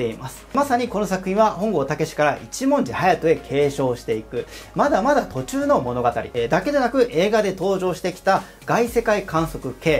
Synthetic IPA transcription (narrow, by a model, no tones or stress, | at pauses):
te̞imasɨ̥masaɲ̟iko̞no̞sakɯ̟çʲĩɰ̃βahõ̞ŋɡo̞t̪ake̞ɕi̥kaɾaʔit͡ɕimõ̞ɲ̟d͡ʑihajat̪oe̞kʰe̞ːɕo̞ːɕi̥t̪e̞ikɯ̟mad̪amad̪at̪o̞t͡ɕɨːno̞mo̞no̞ɡat̪aɾʲḭd̪ake̞d̪e̞nakɯ̟ʔe̞ːɡad̪e̞t̪o̞ːʑo̞ːɕi̥t̪e̞kʲi̥t̪a | ɡ̥aise̞kaikãɰ̃so̞kɯ̟ke̞ː